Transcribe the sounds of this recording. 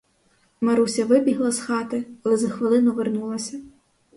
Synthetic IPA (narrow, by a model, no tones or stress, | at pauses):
mɐɾusʲɐʋɪbʲiɦlˠɐsxɑt̪ɪɐlˠɛzɐxʋɪlˠɪnʊʋernulˠɐsʲɐ